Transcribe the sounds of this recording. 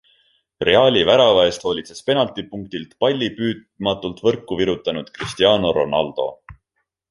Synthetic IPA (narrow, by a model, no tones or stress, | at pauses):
re̞ɑːlʲivæɾɑvɑe̞st̪ho̞ːlʲit̪se̞spe̞nɑlt̪ipuŋk̚t̪ilt̪pɑlʲːipyːd̪̚ | mɑt̪ːˑult̪vɤrkːˑuviɾut̪ːˑɑnud̪̥krist̪iɑːnoɾo̞̰nɑ̰ld̪̥o̞̰